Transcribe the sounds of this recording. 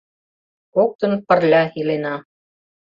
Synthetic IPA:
kok̚t̪ɤ̆npə̆rlʲɑilenɑ

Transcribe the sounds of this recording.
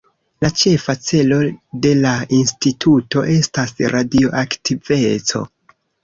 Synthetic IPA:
lat͡ʃe̞fat͡se̞lo̞de̞lainstitʰuto̞ʔe̞stasɾʔadio̞ʔaktʰive̞t͡so̰

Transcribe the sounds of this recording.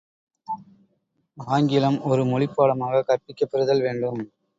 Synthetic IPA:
aːŋɡɪlɐmɔɾɯmɔɭɪpːaːɽɐmaːɣɐkɐrpːɪkːɐpːɪɾɯðɐlʋeːɳɖɯm

